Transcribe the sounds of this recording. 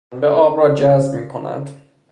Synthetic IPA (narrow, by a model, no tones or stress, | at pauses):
nbeʔɒːbrɒːd͡ʒæzbmiːkʰonæ̰nd̪̥